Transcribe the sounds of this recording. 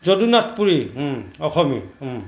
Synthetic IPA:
zodunatpuɹiɔxɔmḭ

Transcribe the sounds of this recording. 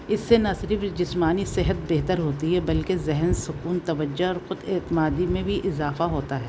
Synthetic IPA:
ɪsːenɐsɪɾfd͡ʒɪsmaːnisɪɦət̪̚beɦt̪əɾɦoːt̪iɦɛbɐlkezɛɦɛnsʊkuːnt̪ɐʋəd͡ʒːoɔːɾxʊd̪eːt̪ɪmaːd̪imẽbʱiʔɪzaːfaɦoːt̪aɦɛː

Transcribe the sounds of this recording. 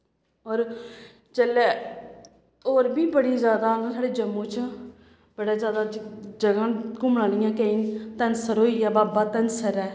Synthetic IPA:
ɔːɾ | t͡ʃəleː | oːɾbiːbəɽiːzjaːd̪aːnːsaːɽeːd͡ʒəmːõːt͡ʃ | b̥əɽaːzjaːd̪aːd͡ʒəɡãːkʊmɽãːlɪjãːkəɪːt̪ənsəɾɦoːiːjaːbaːbaːt̪ənsəɾɛː

